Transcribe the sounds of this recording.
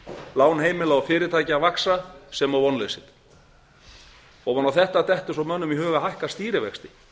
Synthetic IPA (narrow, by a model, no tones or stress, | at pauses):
laːwnheːjmɪlaɔfɪːɾɪɾt̪ʰaːjcaavaksasɛmawvɔnlejsɪt̪ | ɔɣanːawθɛht̪at̪ɛht̪ʏ̥sawmœnːʏmiɦœːɣaɦajhkast̪iːɾɪvɛkst̪ɪ̥